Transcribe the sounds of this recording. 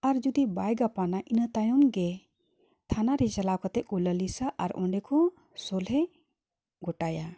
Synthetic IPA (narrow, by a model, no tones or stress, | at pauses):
aɾd͡ʒud̪ibajɡapanaʔinat̪ajɔmɡɛ | t̪ʰanaɾɛt͡ʃalakɔt̪ɛʔ̚uləlisaʔa̰ɾɔ̰ɳɖɛkʰɔ | sɔlɦɛ | ɡɔʈaja